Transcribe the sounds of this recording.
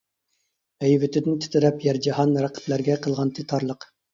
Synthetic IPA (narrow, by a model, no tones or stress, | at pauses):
hɛjvɪt̪ʰɪd̪ɪnt̪ʰɪ̥t̪ʰɪɾɛpjæɾd͡ʒɑhɑnɾæqʰə̥plæɾɡʲɛqʰəlˠʁɑnt̪ʰet̪ʰɑɾlˠəq